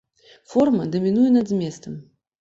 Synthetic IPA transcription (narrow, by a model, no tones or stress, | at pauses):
fɔrmɐd̪ɐmʲinujɛnɐd̪zmʲɛst̪ɐm